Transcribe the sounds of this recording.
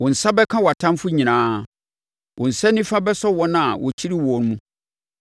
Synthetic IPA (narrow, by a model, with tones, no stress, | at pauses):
wɔ̃˨n̩˨sa˦bɛ˦kʰã˦wa˨tʰã˦m˦fʊ˦ɲĩ˨nãː˦ | wʔɔ̃˨n̩˨sɛ˦nːĩ˦fa˦bɛ˦sɔ˦wɔ˦nã˨wʔɔ̰˨t͡ɕʰi˦ɾi˦wɔ˨˦n˦mũ˦